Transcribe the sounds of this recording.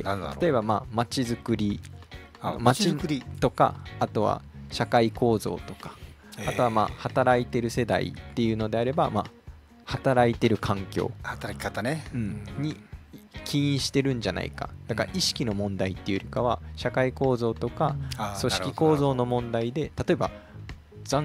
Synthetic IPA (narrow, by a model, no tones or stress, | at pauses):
at̪o̞e̞bamaːmat͡ɕizɨkɯ̟ɾʲi | mait̪o̞ka̰ːt̪o̞βa̰ɕakaiko̞ːzo̞̰ːt̪o̞̥kḁ | at̪o̞βama̰ːhat̪aɾait̪e̞ɾɯ̟se̞d̪a̰ḭt̪ːe̞jɯ̟ːno̞d̪e̞aɾe̞bama̰ | hat̪aɾait̪e̞ɾɯ̟kʰãŋkʲo̞̰ːat̪aɾʲat̪aɯ̟̃ɴɲ̟ikʲʰiĩɕi̥t̪e̞ɾɯ̟̃ɲ̟d͡ʑana̰ḭka̰d̪̥akaɾaʔiɕi̥kʲino̞mõ̞nd̪ait̪ːe̞jɯ̟ɾʲikaβa̰ɕakaiko̞ːzo̞ːt̪o̞kaso̞ɕikʲiko̞ːzo̞ːno̞mõ̞nd̪aid̪e̞t̪at̪o̞e̞ba̰ | zã